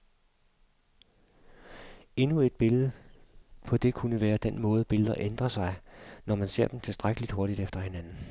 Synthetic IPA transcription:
e̝nue̝d̥̚b̥e̝lð̩ˠə | pʰɒ̽d̥e̝kʰunəʋæːɐd̥en̰mɔ̽ːð̞̩ˠəb̥e̝ləð̩ˠɐʔend̥ʁɐsɑ̈ɪnɒmænse̝̰ɐ̰d̥em̩t͡sʰe̝lsd̥ʁaɡ̥əlid̥ho̝ɐɾid̥efd̥ɐhe̝nænn̩

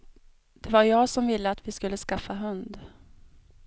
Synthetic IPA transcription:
d̪̥ɛvaɾjɑːɡsɔmvɪlːəat̪vɪskɵlːəskafːaɦɵnd̪

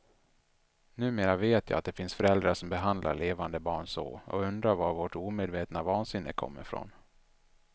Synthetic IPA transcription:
nʉ̟ːmeːɾaveːt̪ʰjɑ̰ːat̪̚d̪ɛfɪnsfœɾɛld̪ɾaʂɔmbɛɦand̪la̰ɾɭeːvand̪əbɑːɳso̰ːɔ̰ɵnd̪ɾaɾvaɾvoːʈuːmeːd̪veːt̪navɑːnsɪnːɪ̰kʰɔ̰mːɪ̰ɾfɾɔ̰n

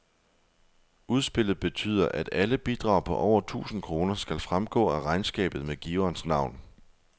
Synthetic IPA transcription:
uð̞ˠsb̥e̝l̰ð̩ˠb̥e̝t͡sʰy̰ːð̞̰ˠɐʔæd̥æləb̥id̥ʁɑ̈ʊ̰pʰɒ̽ʔɒʊ̰ɐt͡sʰṵːsn̩kʰʁo̝ːnɐsɡ̥ælfʁamɡ̥ɔ̰̽ːæʁɑ̈ɪnsɡ̥ɛ̰ːb̥ð̞̩ˠmeɡ̥iɐnsnɑ̈ʊ̰n

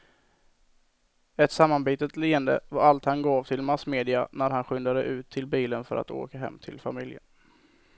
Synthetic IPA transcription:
ɛt̪samːanbiːt̪ət̪liːənd̪ə̰vaɾalt̪hanɡɑːvt̪ʰɪlmasmeːd̪ɪa̰næɾhanɧʏnd̪ad̪əʔʉ̟ːt̪ʰːɪlbiːlənfœɾʔa̰t̪o̰ːkaɦɛ̰mːt̪ʰɪlfamɪljə̰n

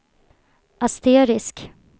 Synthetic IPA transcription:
ʔast̪eːɾɪsk

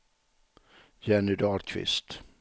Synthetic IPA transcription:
jɛnɪd̪ɑːɾkʰvɪ̰st̪

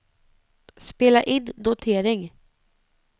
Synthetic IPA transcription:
speːlaʔɪd̪ːʊt̪ʰeːɾɪŋ

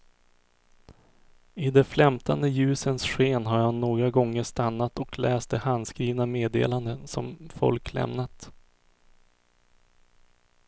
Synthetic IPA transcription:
ɪd̪ɛflɛmt̪ʰand̪əjʉ̟ːsənsɧeːnɦaɾjanoːɡɾaɡɔŋːəʂt̪anːat̪ɔkʰlɛːst̪̚ɛhand̪skɾiːvnameːd̪ḛːland̪ənsɔ̰mfɔ̰lklɛ̰mnat̪

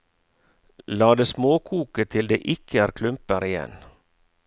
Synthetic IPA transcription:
lɑːd̪eːsmoːkʰuːkət̪ʰɪld̪eːʔɪkʰəæːɾkʰlʉmpəɾɪjɛ̰n

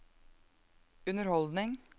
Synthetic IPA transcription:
ʉnəɾhɔld̪nɪŋ

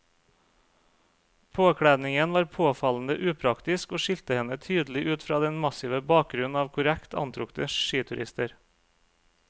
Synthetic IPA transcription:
pʰoːkʰɽæːd̪nɪŋənʋɑːɾpʰoːfɑln̩əʔʉːpʰɾɑkt̪ɪskoːʃɪlt̪əhɛnət̪ʰyːd̪l̩ɪʔʉːt̪fɾɑːd̪ɛnmɑsɪʋəbɑːk̚ɡɾʉnn̩ɑːʋkʰʊɾækt̪ʰɑ̰nt̪ʰɾʊkt̪əʃiːt̪ʰʉɾɪ̰st̪əɾ

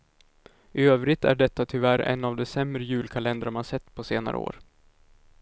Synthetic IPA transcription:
ʔɪøːvɾɪt̪æ̰ɖɛt̪ːat̪ʰʏvæɾɛ̰nːavd̪ɛsɛmɾəjʉ̟ːlkʰalɛnd̪ɾaɾmanaʂɛt̪ːpʰɔseːna̰ɾə̰o̰ːɾ

